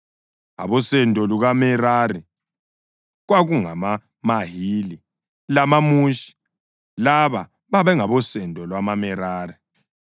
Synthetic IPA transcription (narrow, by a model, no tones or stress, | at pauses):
a̰βɔsɛndʱʼɔluɣamɛɾari | ɣwaɣuŋama | maɦiːli | lamamuːʃi̥ | laβa | βaβɛŋaβɔsɛndʱʼɔlwamamɛɾaːri